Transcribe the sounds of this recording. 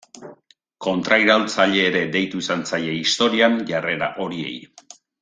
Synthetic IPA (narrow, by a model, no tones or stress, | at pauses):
ko̞nt̪ɾajɾalt͡saʎe̞ːɾe̞d̪e̞jt̪uisant͡sajeist̪o̞ɾianʝare̞ɾa̰ʔo̞ɾie̞̰j